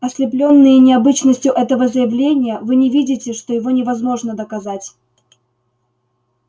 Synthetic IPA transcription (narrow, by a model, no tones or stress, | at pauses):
ɐsʲlʲɪplʲo̞nːɨjənʲɪɐbɨt͡ɕnəsʲtʲjʊʔɛt̪əvəzəjɪvlʲenʲɪjəvɨnʲɪvʲidʲɪtʲɪʂt̪o̞jɪvo̞nʲɪvɐzmo̞ʐnəd̪əkɐzatʲ